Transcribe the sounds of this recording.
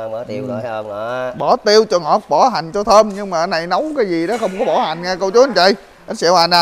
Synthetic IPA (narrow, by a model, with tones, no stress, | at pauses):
t̪i˧wɗo˧˨˦ŋ͡mɓɔ˧˩t̪i˧əwt͡ɕɔ˧ŋɔ˨˩k̚ɓɔ˧˩ɦa˨˩jŋ̟t͡ɕɔ˧t̪ʰəː˧mɲɨ˧ŋmaː˨˩ə˧˨˦na˨˩jnə˨˦wkaː˨˦jzi˨˩ɗɔ˨˦xə˧wŋ͡mkɔ˨˦ɓɔ˧˩ha˨˩jŋ̟ŋaː˧kə˧wt͡ɕu˨˦˥t͡ɕə̰˧˩j | ʔə˨˦nsɛ̰˧˥hwaː˨˩naː˨˩